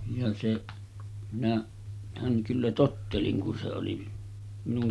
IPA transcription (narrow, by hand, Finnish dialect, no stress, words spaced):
jɑ seʔ minæ hæŋ kylːæ totːelin kun se oli minuŋ